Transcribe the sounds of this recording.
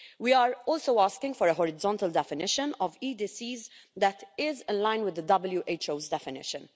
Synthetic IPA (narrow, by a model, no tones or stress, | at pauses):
wiːaːɹɔːlsoaːskɪ̃ŋɡfɔɾəɦɔɹɪzɔ̃nt̪əld̪ɛfɪnɪʃə̃nɔviːd̪iːsiːzd̪æt̪ɪzɪ̃nlãɪ̃nwɪd̪ːəd̪ʌbəljuʔet͡ʃoʊzd̪ɛfɪnɪ̰ʃə̃n